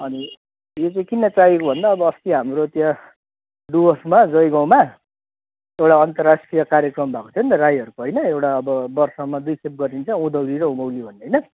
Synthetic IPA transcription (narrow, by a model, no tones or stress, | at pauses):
ʌni | jot͡saĩkinːʌt͡saɦjekobʱʌnd̪aːbʌːst̪iɦamrot̪ja | ɖuʌsmad͡zʌjɡãw̃ma | ewʈaʌnt̪ʌrːasʈrijʌkaɾjʌkrʌmbʱako̥t͡s̪ʰʌnt̪ʌrajʌɾukoɦʌjnʌewʈaʌbʌbʌrsʌmad̪ujkʰep̚ɡʌɾint͡sʰʌũd̪ʌwɾiɾʌũmʌwlibʱʌnɦʌjnʌ